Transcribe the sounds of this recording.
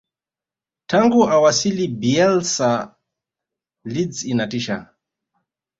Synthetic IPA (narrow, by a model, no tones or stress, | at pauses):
tʰaŋɡuʔawasilibiɛlsa | lid͡zinatiʃa